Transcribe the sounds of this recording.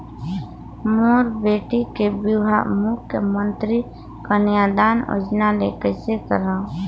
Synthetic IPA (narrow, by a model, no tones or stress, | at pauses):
muːɾbeːʈikebuɦa̰mʊkʰjəmə̃nt̪ɾi | kanɪjaːd̪aːno̰d͡ʒnaleːkəsekəɾaː